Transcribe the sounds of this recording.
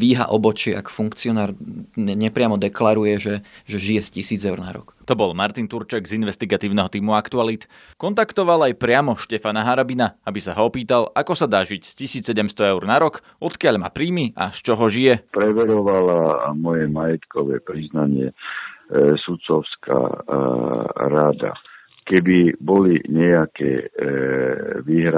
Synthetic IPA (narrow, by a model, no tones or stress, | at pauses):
ʋiːɦa̰ʔɔbɔt͡ʃɪɛa̰kfuŋkt͡siɔnaːɾɛɲɛpɾɪamɔd̪ɛklaɾujɛʒɛʒɛʒijɛscisiːd͡zɛʊɾna̰ɾɔ̰kt̪ɔbɔlmaɾt̪int̪uɾt͡ʃɛɡzinʋɛst̪iɡat̪iːʊnɛɦɔt̪iːmuakt̪ualit̪ | kɔnt̪akt̪ɔʋalajpɾɪamɔʃcɛfanaɦaɾabinaabisaɦɔɔpiːt̪alakɔsad̪aːʒicscisiːt͡ssːɛɟɛmst̪ɔɛʊɾnaɾɔk | ʔɔt̪kɪaʎma̰ːpɾiːmiʔa̰st͡ʃɔɦɔʒijɛpɾɛʋɛɾɔʋalamɔjɛmajɛt̪kɔʋɛpɾiznaɲɪɛ | sut̪sɔʊska̰ | ɾad̪a̰ | kɛbibɔliɲɛjakɛ̰ | ʋiːɦɾa